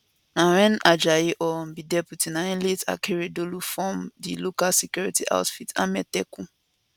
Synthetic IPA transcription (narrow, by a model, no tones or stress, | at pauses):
nãɾɛ̃nad͡ʒajeʔɔm̩bidɛputinaĩleta̰kʰeɾedolufɔmdilokalsekjuɹitiʔa̰ʊtfita̰mɛtɛku